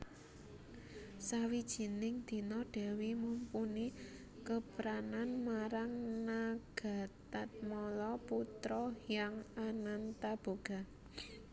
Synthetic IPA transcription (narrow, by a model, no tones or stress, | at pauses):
sawid̥ʒ̥i̤nɪŋd̪̥i̤nɔɖ̥a̤wimumpuni | kəpɾananmaɾaŋnaɡ̥a̤t̪at̪̚mɔlɔput̪ɾɔjaŋanant̪ab̥o̤ɡ̥a̤